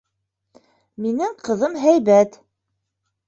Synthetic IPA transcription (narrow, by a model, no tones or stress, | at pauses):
minɘŋqɤ̆ðɤmɦæjβæt̪